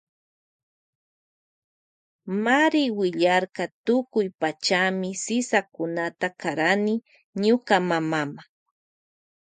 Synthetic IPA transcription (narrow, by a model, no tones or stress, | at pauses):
maɾɪwɪʎaɾkɑt̪ʊkʊjpat͡ʃamɪsɪsakʊnat̪akaɾanɪ | ɲʊkamamama